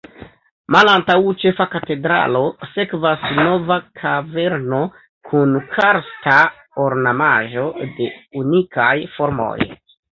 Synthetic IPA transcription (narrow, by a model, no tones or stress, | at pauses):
malantawt͡ʃe̞fakate̞dɾa̰lo̞se̞kvasno̞vakʰave̞ɾno̞ | kʰunkʰaɾsta | oɾnamaʒo̞de̞unikajfo̞ɾmo̞̰j